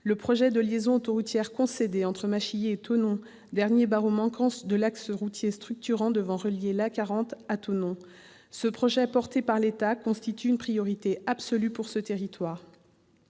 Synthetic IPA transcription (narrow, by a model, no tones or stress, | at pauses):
ləpχɔʒɛd̪əljezɔ̃ot̪oʁut̪jɛʁkɔ̃sed̪eɑ̃t̪χəmaʃijeːt̪onɔ̃ | d̪ɛʁnjebaʁomɑ̃kɑ̃sd̪əlaksəʁut̪jest̪χyk̚t̪yʁɑ̃d̪əvɑ̃ʁəljelakaʁɑ̃t̪at̪onɔ̃ | səpχɔʒɛpɔʁt̪epaʁlet̪akɔ̃st̪it̪yːnpχijɔʁit̪eabsɔlypuʁsət̪eʁit̪waːʁ